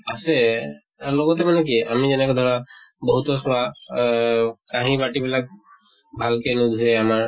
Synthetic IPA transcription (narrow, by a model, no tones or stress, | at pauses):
asɛ | lɔɡɔt̪ɛmanɛk̬ia̰mizɛnɛkɔd̪ʱɔɹabɔɦut̪ɔsɔa | kãɦĩbaʈibilak̚ | bʱalkenud̪ʱuɛamaɹ